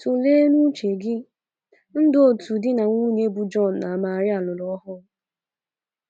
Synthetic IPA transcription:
tʊ˨le˦nu˦t͡ʃe˨ɡɪ˦ | n̩˦do˦˨tu˨dɪ˦na˨ŋʷu˦ɲe˦bu˨d͡ʒɔ˦˨n̩ː˨a˨ma˨ɾɪ˦a˨lʊ˨lɔ˦ɔ˦ɦʊ˦

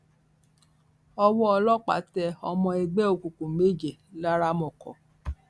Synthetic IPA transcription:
ɔ˧wɔ˦ɔ˧lɔ˦k͡pa̰˨˦tɛ˧˨ɔ˧mɔ̃˧ɛ˧ɡ͡bɛ˦o˧˨ku˨ku˨˦me˦˨d͡ʒe˨la˦ɾa˦mɔ̃˨kɔ̰˨

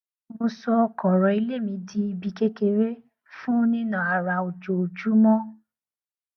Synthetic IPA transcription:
mo˧sɔ˧kɔ˨ɾɔ˨i˧le˦˨mĩ˧di˧˦i˧bi˧ke˦ke˧ɾe˦ | fũ˦nĩ˦nã˨a˨ɾa˨o˨d͡ʒo˨o˨d͡ʒu˨˦mɔ̃˦

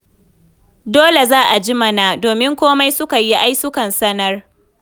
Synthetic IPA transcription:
doː˦le˨zaː˦ʔa˨d͡ʒi˦mɐ˦naː˨doː˨mɪ˦ŋkʷoː˦ma˦jsʊ˦ka˨ji˦ʔa˦jsʊ˦kɐ˨nsɐ˦nɐ˦r

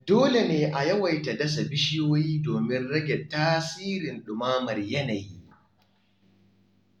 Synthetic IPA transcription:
doː˦le˨neː˦ʔa˨jɐ˦wɐ˨jta˨dɐ˦s̬a˨bɪ˦ʃɪ˦joː˦jiː˦doː˨mɪ˦nɾɐ˦ɡʲɛ˨taː˦siː˦ɾɪ˨nɗʊ˨maː˦mɐ˨rjɐ˦na˨jiː˦

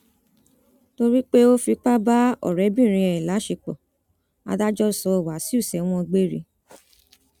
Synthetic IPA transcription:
to˧ɾi˦k͡pe˦o˦fi˧k͡pa˦ba˦ɔ̰˨ɾɛ˨˦bĩ˦˨ɾ̃ĩ˧ɛ˨la˨˦ʃe˧k͡pɔ̰˨ | a̰˧da˦d͡ʒɔ˦˨sɔ˧˦˨wa˨˦si˦u˦˨sɛ˨˦w̃ɔ̃˧ɡ͡be˦ɾḭ˧

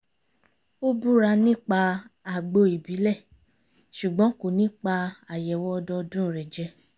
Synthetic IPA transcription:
o˦bu˦ɾa˧nĩ˦˨k͡pa˧a˨ɡ͡bo˧i˨bi˨˦lɛ˦˨ | ʃu˨ɡ͡bɔ̃˨˦ko˨nĩ˦k͡pa˧a˨jɛ˨wɔ˦ɔ˧dɔ˧dũ˦˨ɾɛ˨d͡ʒɛ˧

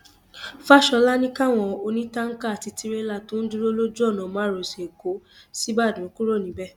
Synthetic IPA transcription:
fa˦ʃɔ˧la˦nĩ˦ka˦˨w̃ɔ̃˧o˧nĩ˦ta˦ŋ̩˦ka˦a˨ti˨˧ti˧ɾe˦la˦˨tũ˨˦n̩˦du˦ɾo˦lo˦d͡ʒɔ˦˨nã˨mã˨˦˨ɾo˨ʃe˨ko˨˦si˦ba˦˨dũ˨˦ku˦ɾo˦˨nĩ˨˦bɛ˦˨

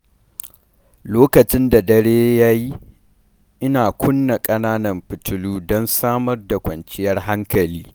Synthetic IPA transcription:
loː˦kɐ˨t͡ʃɪ˦nda˨dɐ˦ɽeː˦jaː˦ji˦ | ʔɪ˦naː˨kʷʰʊ˦nːa˨kʼɐ˦naː˦nɐ˨mpɪ˨tʊ˨luː˦dɔ˦nsaː˦mɐ˦rda˨kʷɐ˨nt͡ʃɪ˦jɐ˦rɦa˦ŋkɐ˨liː˦

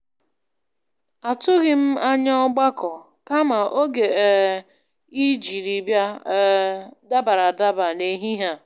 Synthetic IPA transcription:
a˨tʊ˦ɣɪ˨m̩˦a˦ɲɔ˦ɔ˦ɡ͡ba˦kɔ˨ | ka˦ma˨ʔo˦ɡe˨ | i˦d͡ʒi˨ɾi˨bja˦ | da˦ba˨ɾa˨da˦ba˨ne˨˦ɦi˦ɦa˨

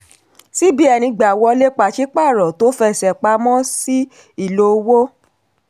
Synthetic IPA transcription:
si˦bi˦ɛ˧˨nĩ˧ɡ͡ba˨wɔ˧le˦k͡pa˨ʃi˦k͡pa˦˨ɾɔ˨to˦fɛ˧˨sɛ˧˨k͡pa˧˦mɔ̃˦si˦ | i˦˨lo˧wo˦

